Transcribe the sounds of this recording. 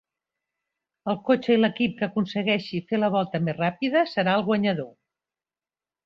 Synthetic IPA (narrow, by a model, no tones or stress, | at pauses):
əlˠkot͡ʃəiləkip̚kəːkunsəɣɛʃifeləβ̞ɔlˠt̪əmerrapiðəsəɾaəlˠɣwəɲəðo